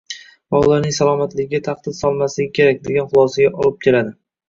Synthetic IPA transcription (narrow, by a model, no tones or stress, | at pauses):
vaʊlˠaɾnɪŋsalˠɒmat̪lɪɡʲɡʲat̪ʰaχd̪ɪd̪sɒlˠmaslɪɡʲɪkʲʰe̞ɾak̚ʲd̪e̞ɡʲanχʊlˠɒsaɡʲaʔɒlɪp̚kʲʰe̞lad̪ɪ